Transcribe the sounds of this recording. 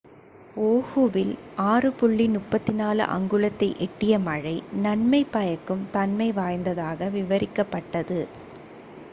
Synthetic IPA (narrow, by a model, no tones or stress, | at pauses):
oːhuʋɪlʔaːrɯpʊɭːinʊʈpːɐt̪ːɪnaːlɯ̰ʔɐ̰ŋɡɯɭɐt̪ːɐɪʔɛʈːɪjɐmɐɻɐɪnɐnmɐɪpːɐjɐkːɯmt̪ɐnmɐɪʋaːjnd̪ɐðaːɣɐʋɪʋɐɾɪkːɐpːɐʈːɐðɯ